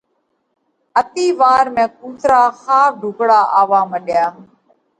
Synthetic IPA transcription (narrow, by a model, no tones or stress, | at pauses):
ət̪iːʋaːɾmẽːkuːt̪ɾaːxaːp̚ɖʱʊɡɽaːʔaːʋaːməɗjaː